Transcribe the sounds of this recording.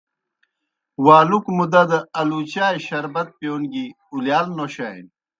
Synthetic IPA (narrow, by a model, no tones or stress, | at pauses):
waːlukmud̪ɐd̪ɐɐlut͡ɕaːjɕɐɾbɐt̪̚pjoːnɡi | uljaːlnoɕaḭn